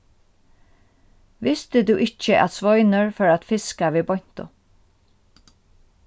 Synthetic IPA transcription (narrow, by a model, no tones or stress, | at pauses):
ʋɪst̪ɪd̪uʔɪt͡ʃəʔæ̰t̪sʋɔjnəɹfœːɾat̪fɪskaʋiːbɔjɲ̥t̪ʊ̰